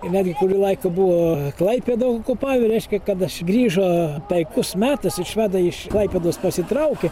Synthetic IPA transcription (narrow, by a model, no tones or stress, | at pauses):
ɪnʲæːd̪ʲɡʲɪkʊɾʲuːlˠɐɪkʊbuʋoːklˠɐɪpʲeːd̪okʊpɑːʋʲeɾʲɛɪʃʲkʲɛkɐt̪ɐʃɡɾʲiːʒoːpʲɛɪkʊsmʲæːt̪ɐsɪʃʋʲæːd̪ɐɪʃklˠɐɪpʲeːd̪oːspɐsʲɪt̪ɾɐʊkʲɛ